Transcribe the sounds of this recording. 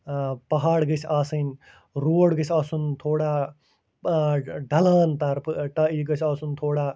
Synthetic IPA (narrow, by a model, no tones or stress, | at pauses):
pɐɦaːɽɡɐt͡ʃʰaːsɨn | ɾoːɽɡɐt͡ʃʰaːsunt̪ʰoːɽaː | ɖɐlaːnt̪ɐɾpʰʈaːiːɡɐt͡ʃʰaːsunt̪ʰoːɽaː